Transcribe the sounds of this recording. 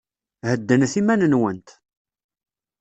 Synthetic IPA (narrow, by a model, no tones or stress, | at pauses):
həd̪ːənθimænənwənt̪